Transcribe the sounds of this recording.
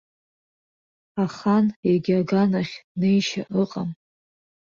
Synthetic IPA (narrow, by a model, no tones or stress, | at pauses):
aχaneɡʲaɡanaχʲnejʃaʔɨqʼam